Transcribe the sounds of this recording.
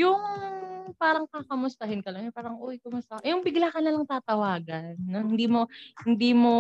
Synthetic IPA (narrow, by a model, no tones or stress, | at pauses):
jʊŋ | paːɾɐŋkakɐmʊst̪ɐhɪnkɐlɐŋpaːɾɐŋʔuwɪkɐmʊst̪ɐʔjʊŋbɪɡlaːkɐnɐlaŋt̪aːt̪ɐwaːɡɐnːohɪnd̪iːmo̞hɪnd̪iːmo̞